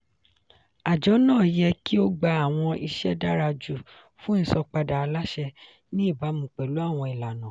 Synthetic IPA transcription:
a˨d͡ʒɔ˨˦nãː˦˨jɛ˧ki˦o˦ɡ͡ba˧a˦˨w̃ɔ̃˧ʔi˧ʃɛ˦da˦ɾa˧d͡ʒu˦˨ | fũ˨˦n̩˦sɔ˧k͡pa˧da˨˧la˦ʃɛ˧ | nĩ˦i˦˨ba˨˦mũ˨k͡pɛ˨lu˦a˦˨w̃ɔ̃˧i˨la˨nã˨

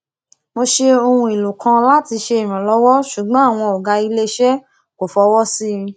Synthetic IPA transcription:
mo˧ʃe˧o˧hũ˧i˨lo˨kʰã˧la˦ti˧ʃe˧i˨ɾ̃ã˨lɔ˨˦wɔ˦ʃu˨ɡ͡bã˨˦a˦˨w̃ɔ̃˧ɔ˨ɡa˧i˧le˦ʃɛ˦ | ko˨fɔ˧wɔ˦sĩ˦˧

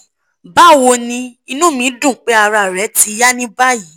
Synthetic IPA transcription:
ba˦˨wo˧nĩ˧i˧nũ˦mĩ˨˦dũ˦˨k͡pe˦a˧ɾa˧˨ɾɛ˨˦ti˧ja˦nĩ˦ba˦ji˨˦

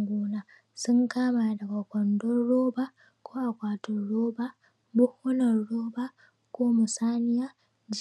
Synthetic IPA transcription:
ɡʷoː˦na˦ | sʊ˦ŋkaː˦maː˨dɐ˨ɡa˨kʷɔ˨ndɔ˦ɽoː˦ba˦ | kʷoː˦ʔa˨kʷaː˨tɔ˨ɽoː˦ba˦ | bʊ˦hɔ˦nɐ˨ɽoː˦ba˦ | koː˦mʊ˨saː˦nɪ˦ja˦ | d͡ʒ

